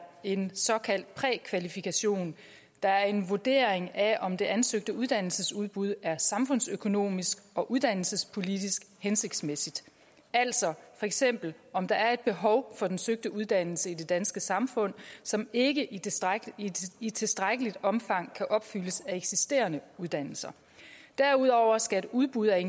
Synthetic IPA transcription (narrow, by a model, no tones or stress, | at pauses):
e̝nsɒ̽kʰæl̰d̥̚pʰʁɛkʰʋælifikʰæɕo̝̰ːn | d̥ɑ̈æɐe̝nʋod̥e̝̰ɐeŋæʔɒ̽md̥e̝ʔænsøɡ̥d̥əuð̞ˠd̥æn̰l̩səsuð̞ˠb̥uð̞ˠæɐsɑ̈mfɔ̽n̰søkʰo̝no̝̰ːmisɡ̥ɒ̽ʔuðˠd̥æn̰l̩səspʰo̝lid̥isɡ̥hense̝ɡ̥̚d̥smesid̥ | æl̰sɒ̽fɒ̽eɡ̥sem̰b̥l̩ɒ̽md̥ɑ̈æɐe̝d̥̚b̥e̝ɦɒ̽ʊfɒ̽d̥ensøɡ̥̚d̥əʔuð̞ˠd̥æn̰l̩səid̥e̝d̥ænsɡ̥əsɑ̈mfɔ̽n̰sɒ̽me̝ɡ̥ə | it͡sʰe̝sd̥ʁaɡ̥əlid̥ɒ̽mfɑ̈ŋ̰kʰæʔɒ̽b̥fyləsæeɡ̥sisd̥e̝̰ːɐnəuð̞ˠd̥æn̰l̩sɐ | d̥æɐuð̞̰ˠɒʊ̰ɐsɡ̥æe̝duðˠb̥uð̞̰ˠæe̝n